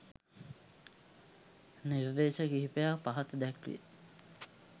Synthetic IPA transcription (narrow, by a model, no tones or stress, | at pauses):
niɾd̪eːʃəɡiɦipejapaɦɐt̪əd̪æklḭjə̰